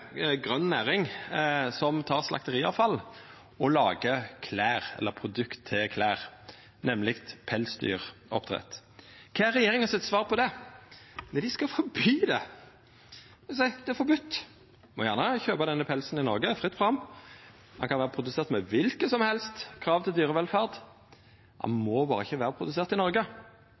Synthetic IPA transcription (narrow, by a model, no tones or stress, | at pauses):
ɡɾœnnæːɾɪŋsɔmt̪ʰɑːʁslʔɑ̰kt̪əʁiːɑ̰ʋfɑlː | ɔlɑːɡəkʰlæːʁɛ̰lːəpʰɾʊd̪ʉkt̪ʰːɪlkʰlæːʁ | nɛmːlɪkt̪pʰɛlsd̪y̰ːʁɔ̰pːt̪ʰʁɛ̰t̪ | kʰɑːæɾːɛjeːʁɪŋɑsɪt̪sʋɑːʁpʰɔd̪ɛ | nɛd̪ɪskɑfɔɾbyːd̪ɛ | ɛsɛd̪ɛfɔbʉt̪ː | mɔjæːʁnəçøːbɑd̪ɛnːəpʰɛlsn̩ɪnɔɾɡəfʁɪt̪ːfɔʁɑm | hɑnkʰɑnʋæːʁəpʰɾʊd̪ʉseːʁt̪mɛʋɪlkəsɔmhɛlst̪kʰɾɑːʋt̪ʰɪld̪yːʁəʋɛlfæːʁd̪ | hɑ̰nmɔbɑːɾʁəɪçəʋæːʁəpʰʁʊd̪ʉseːʁt̪ɪnɔɾɡə